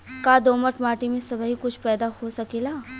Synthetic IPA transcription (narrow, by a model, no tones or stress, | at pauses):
kaːd̪oːməʈmaːʈimẽsɐbəɦikʊt͡ʃʰpɛːd̪ahosɐkeːlaː